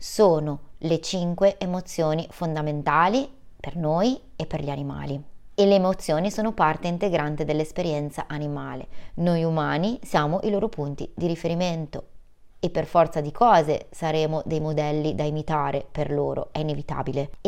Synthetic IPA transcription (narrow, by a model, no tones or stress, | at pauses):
soːnolet͡ʃiŋkweʔːmot̪sːjoːnifond̪ament̪aːlipernoːjepːerʎianima̰ːlieleːmot̪sːjoːnisoːnopart̪eint̪eɡɾant̪ed̪elːespeɾjɛnt̪saʔanimaːlḛnojumaːnisjaːmoʔiloːɾopunt̪ḭd̪iɾifeɾiment̪o | epːerfɔrt̪sad̪ikʰɔːzḛsaɾeːmod̪ejmod̪ɛlːid̪aimit̪aːɾeperloːɾo̰ɛinevit̪a̰ːbile